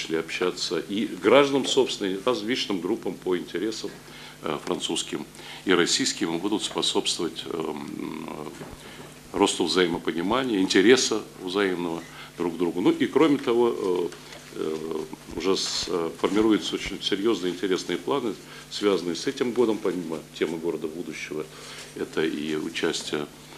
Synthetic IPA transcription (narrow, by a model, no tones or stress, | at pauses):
lʲiɐpɕːat̪səʔiɡɾaʐd̪ənəmso̞pst̪ʲɪnərɐzlʲit͡ɕnɨmɡɾupːəmpəɪnʲtʲɪɾʲe̞səm | fɾɐnt̪suskʲɪm | iɾɐsʲijskʲɪmbud̪ʊt̪spɐso̞pst̪vəvətʲ | ro̞st̪ʊvzɐjɪməpənʲɪmanʲɪjəɪnʲtʲɪɾʲe̞səvzɐimnəvə | d̪ɾuɡd̪ɾuɡʊnuʔikɾo̞mʲɪt̪ɐvo̞ | ʊʐɛsfərmʲɪɾujʊt̪səot͡ɕɪnʲsʲɪɾʲjo̞znɨjəɪnʲtʲɪɾʲe̞snɨjəplˠanɨ | svʲazənɨjəsɛtʲɪmɡo̞d̪əmpɐmʲimətʲe̞mɨɡo̞ɾəd̪əbud̪ʊɕːɪvə | ɛt̪əʔiʊ̰t͡ɕæsʲtʲɪjə